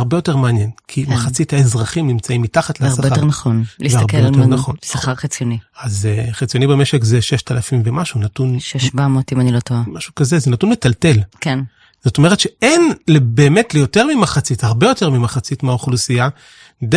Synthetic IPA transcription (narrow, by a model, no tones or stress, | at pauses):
aʁbe̞jo̞te̞ʁmeanje̞nkʰimaχat͡sithaezʁaχimnimt͡saimːitaχatleasajnaχoniveaʁbejoenaχo̞nsaχaʁχit͡sjoniazeχit͡sijo̞nibeme̞ʃekzeʃeʃtalafimvemaʃunatunʃeʃbamot̪imanilot̪oamaʃukaze̞zenatunmetalte̞lken | z̥o̞to̞me̞etʃeʔenlebe̞ːmetlejo̞te̞ʁmimaχat͡sithaʁbejo̞te̞ʁmimaχat͡sitmaoχlusia | de